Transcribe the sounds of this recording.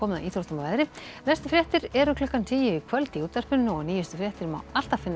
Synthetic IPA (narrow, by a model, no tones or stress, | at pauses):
ɔːmɪða̰ʔiːθʰɔɾst̪amavaːðɾɪnɛst̪ʏ̥fɾjɛːht̪ɪɾɛɾʏkʰlʏhkːant̪ʰiːjɪikʰvœlt̪iuːt̪ar̥pʏnnʏɔniːjʏst̪ʏ̥fɾjɛːht̪ɪɾma̰wal̥t̪afɪnː